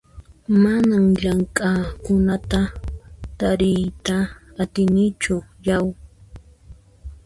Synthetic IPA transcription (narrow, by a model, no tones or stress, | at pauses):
manamʎaŋkʼakʊnat̪at̪aɾɪjt̪aːt̪ɪnɪt͡ʃʊjaw